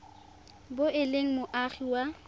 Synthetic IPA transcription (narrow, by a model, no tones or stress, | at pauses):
boʔɪleŋ̩mʊʔaχiwa